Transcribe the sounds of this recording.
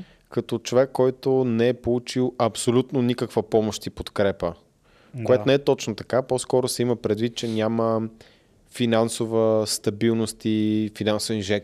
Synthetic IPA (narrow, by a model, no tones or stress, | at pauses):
kɐt̪ɔt͡ʃovɛkːɔjt̪onɛɛpolˠut͡ʃilˠɐpsolʲut̪nonikəkvəpɔmoʃt̪ipot̪kɾɛpə | koɛt̪onɛɛt̪ɔt͡ʃnot̪ɐkaposkɔɾosɛiməpɾɛd̪vit̪̚t͡ʃɛnʲamə | finansovəst̪ɐbilˠnost̪ifinansovɛnʒɛk